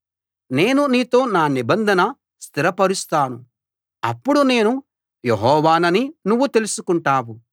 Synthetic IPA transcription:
ne̞ːnuniːt̪o̞ːnaːnibɐnd̪ʱɐnɐ | st̪ʰiɾɐpɐɾust̪aːnu | ɐ̰pːuɽune̞ːnu | jeɦɔːʋaːnɐninuʋːut̪e̞lusukuɳʈaːwu

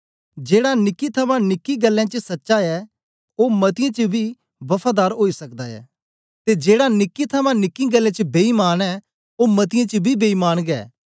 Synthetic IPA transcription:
d͡ʒeːɽanɪkːit̪ʰɐmãnɪkːiɡəlːãːt͡ʃəsɐtːʃaɛ | oːmɐt̪ɪjãt͡ʃəbʱi | bɐpʰaːd̪aːɾɦoːisɐkd̪aːɛ̰ː | t̪ed͡ʒeːɽanɪkːit̪ʰɐmãnɪkːĩɡəlːẽːt͡ʃəbeːimaːnɛ | oːmɐt̪̬ɪjãt͡ʃəbʱibeːimaːñɡɛ̰ː

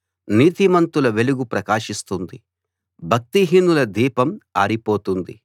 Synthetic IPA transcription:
niːt̪imɐnt̪ulɐʋe̞luɡupɾɐkaːʂist̪und̪i | bʱɐk̚t̪iɦinːulɐd̪iːpɐma̰ːɾipo̞ːt̪und̪ḭ

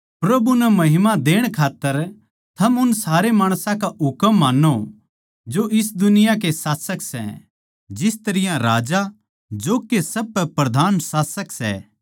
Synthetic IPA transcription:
pɾɐbunɛmɐɦɪmad̪eːɽ̃kʰaːt̪ːəɾ | t̪ʰɐmʊnsaːɾemaːɽ̃sãkaʊkəmːaːnːo | d͡ʒoʔɪsd̪ʊnɪjak̬esaːsəksɛ̰ | d͡ʒɪst̪ɐɾɪjãɾaːd͡ʒa | d͡ʒoːkesɐb̚pɛpɾɐd̪ʱaːnsaːsəksɛ̰

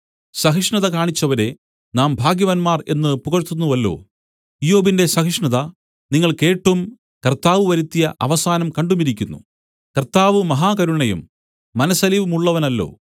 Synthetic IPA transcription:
sɐɦiʂɳɐðɐkaːɳit͡ɕːɐʋɐɾe̞ | naːmbʱaːɡjɐʋɐnmaːre̞̰nːɨpuɣɐrt̪ːunːuʋɐlːo̰ː | ijo̞ːbinde̞sɐɦiʂɳɐðɐ | niŋːɐɭke̞ːʈːum | kɐrt̪aːʋɨʋɐɾit̪ːijɐʔɐ̰ʋɐsaːnɐmkɐɳɖumiɾikʲːunːṵ | kɐrt̪aːʋɨmɐɦaːkɐɾuɳɐjṵmː | ɐnɐsɐliʋumuɭːɐʋɐnɐlːo̞̰ː

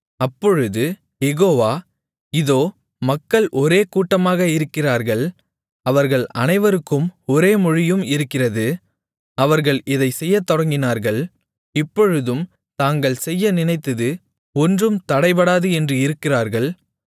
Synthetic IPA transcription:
ɐpːɔɻɯðɯ | jɛɣoːʋaː | ɪðoː | mɐkːɐɭʔɔɾeːkuːʈːɐmaːɣɐɪɾɯkːɪraːɾɣɐɭ | ɐʋɐɾɣɐɭɐnɐɪʋɐɾɯkːɯmɔɾeːmʊɻɪjɯmɪɾɯkːɪrɐðɯ | ɐʋɐɾɣɐɭɪðɐɪsɛjːɐt̪ːɔɽɐŋɡɪnaːɾɣɐɭ | ɪpːɔɻɯðɯm | t̪aːŋɡɐɭsɛjːɐnɪnɐɪt̪ːɐðɯ | ɔndrɯmt̪ɐɽɐɪpɐɽaːðɯɛndrɯɪɾɯkːɪraːɾɣɐɭ

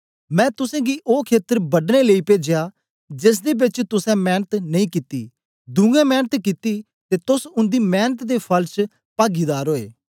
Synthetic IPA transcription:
mɛ̃ːt̪ʊsɛ̃ːɡiːʔoːkʰeːt̪əɾbəɖneːləiːpeːd͡ʒɪjaː | d͡ʒɪs̬d̪eːbɪt͡ʃt̪ʊsɛ̃ːmɛːnət̪nəĩːkit̪ḭː | d̪ũːɡɛ̃ːmɛːnət̪kit̪iː | t̪eːt̪ʊsʊnd̪iːmɛːnət̪d̪eːpʰəlt͡ʃ | paːɡiːd̪aːɾɦoːḛː

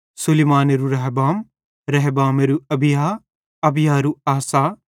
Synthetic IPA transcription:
sulimaːneɾuɾɐɦbaːm | ɾɐɦbaːmeɾuɐbijaː | ɐbijaːɾuaːsaː

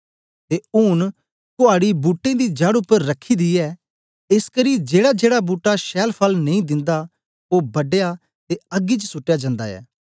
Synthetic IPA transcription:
t̪eːʊːn | kʊaːɽibuːʈːẽd̪id͡ʒɐɽʊpːəɾːɐkʰːid̪iɛː | ɪskəɾid͡ʒeːɽad͡ʒeːɽabuːʈːaʃɛːlpʰɐlnɐĩd̪ɪ̃nd̪a | oːbɐɖeja | t̪eɐɡit͡ʃsʊʈːjad͡ʒɐ̃ːnd̪a̰ɛ̰ː

